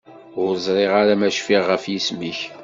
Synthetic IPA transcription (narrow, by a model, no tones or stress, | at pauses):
ʊɾzˤɾˤeʁaɾamæʃfiʁːəfjismiç